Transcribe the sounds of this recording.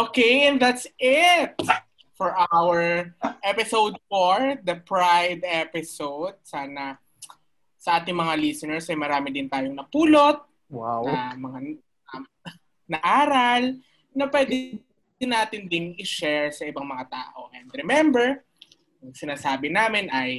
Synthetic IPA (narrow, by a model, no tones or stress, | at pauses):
ʔokejʔɛ̃nd̪at̪sɪt̪̚ | fɔɹʔaawɛɹʔɛpɪsowd̪̚foɹd̪ɐpɹajd̪ɛpɪsowd̪̚saːnɐ | sɐʔaːt̪ɪŋmɐŋalisɛnɛɹsɐjmɐɾaːmɪd̪ɪnt̪aːjoŋnɐpuːlot̪̚ | waɐmɐŋa | nɐʔaːɾɐl | nɐpwɛd̪ɪ | ɪnːaːt̪ɪnd̪ɪnɪʃɛɹsɐʔɪbaŋmɐŋat̪a̰ːʔoʔɛnd̪ɾɛmɛmbɛɹ | ɐŋsɪnaːsaːbɪnaːmɪnʔɐj